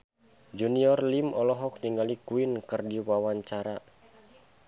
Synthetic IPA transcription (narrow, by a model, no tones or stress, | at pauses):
d͡ʒuniɔrlimɔlɔɦɔk̚diŋalikuinkɨrdiwawaɲt͡ʃaɾa